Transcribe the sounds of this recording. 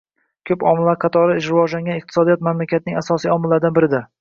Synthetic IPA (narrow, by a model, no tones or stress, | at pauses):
kʲʰɵpɒmɪlːaɾqʰɑt̪ʰɒɾɪɪʃ̬ɾɪvɒd͡ʒlaŋɡʲanɪqt̪ʰɪsɒd̪ijɒt̪mamlakʲʰat̪̚nɪŋasɒsijɒmɪlːaɾd̪anbɪɾɪd̪a